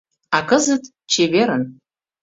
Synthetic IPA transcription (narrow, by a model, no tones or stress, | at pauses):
akəzət̪ | t͡ʃʰeveɾən